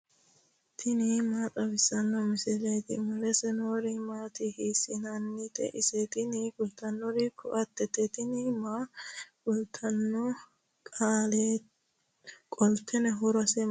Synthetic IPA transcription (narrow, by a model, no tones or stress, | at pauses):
t̪ʰɪnɪmaːt̪ʼɐbɪsɐnːɔmɪsɪlɛjt̪ɪ̰mʊlɛsɛnoːɾɪmaːt̪ɪhiːsɪnɐnːɪt̪ɛ̰ʔɪsɛt̪ɪnɪkʊlt̪ɐnːɔɾɪkʰʊʔɐt̪ːɛt̪ːɛt̪ɪnɪmaɡʊlt̪ʰɐnːɔ | kʼaːle | kʼɔlt̪ʰːɛnɛɦʊɾɐsɛ